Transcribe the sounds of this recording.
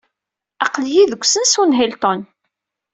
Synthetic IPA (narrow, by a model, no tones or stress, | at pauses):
ɑqljiðəɡʷːsənsunɦɪlt̪ˤon